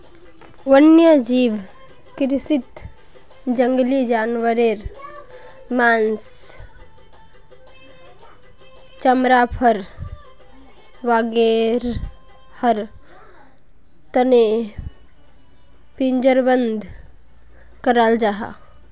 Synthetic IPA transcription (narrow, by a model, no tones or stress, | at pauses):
ʋənjad͡ʒiːʋ | kɾsit̪ | d͡ʒəŋɡlid͡ʒaːnʋəɾeɾ | maːns | t͡ʃəmɾapʰəɾ | ʋaːɡeɾ | həɾ | t̪əne | pind͡ʒəɾbənd̪ | kəɾald͡ʒaɦa̰ː